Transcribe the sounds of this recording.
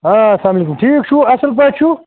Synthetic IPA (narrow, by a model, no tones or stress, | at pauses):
aɐslaːmɐlekumʈʰiːkʃuɐsəlp̬aːʈʃu